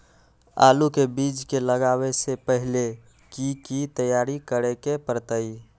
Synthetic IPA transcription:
a̰lukebid͡ʒkeləɡaβesepəɦile | kikit̪əjaɾikəɾekepəɾt̪əi

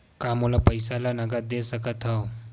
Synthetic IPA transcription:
kamolapəjsalanəɡat̪̚d̪esəkat̪ʰaw

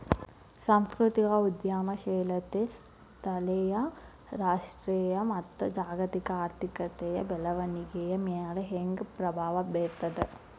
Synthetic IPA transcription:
saːmskɾut̪ikɐud̪jaːmɐʃeːlɐt̪es | t̪ʰɐlɛjɐ | ɾaːʂʈɾɛjɐmɐt̪ːɐd͡ʒaːɡɐt̪ikɐaːɾt̪ʰikɐt̪ɛjɐbɛlɐʋɐniɡejɐmɛjaːlɐɦeŋɡpɾɐbʱaːʋɐbeːɾt̪ɐd̪e

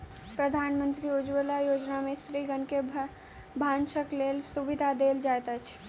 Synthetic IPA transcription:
pɾəd̪ʱanmənt̪ɾiud͡ʒʋelajod͡ʒnamesɾiɡənke | bʱanʃəklelsubid̪ʱad̪eld͡ʒajt̪ət͡ʃʰ

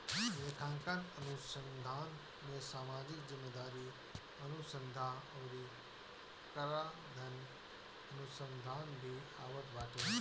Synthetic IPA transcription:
jeːkʰãːŋkanənusənd̪ʱaːn | mẽsaːmaːd͡ʒɪkzɪmːed̪aːɾi | ɐnusə̃nd̪ʱaɐwɾi | kəɾa | d̪ʱɐn | ɐnusənd̪ʱaːnbʱiaːʋət̪ʰbaːʈe

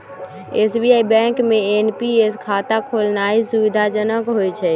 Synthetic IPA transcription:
esbiaibɛ̃ŋkmeenpieskʰat̪akʰolnaisubid̪ʱad͡ʒənəkɦojt͡ʃʰɛ

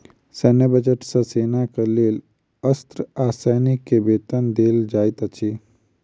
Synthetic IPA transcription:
sɛnebəd͡ʒəʈsə̃seːnakəleːl | əst̪ɾəaːsəjnikːebet̪ənd̪eːld͡ʒaːjt̪ət͡ʃʰi

